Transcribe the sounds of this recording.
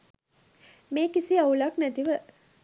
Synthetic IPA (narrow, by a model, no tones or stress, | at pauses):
meːkisiɐulaknæt̪iʋə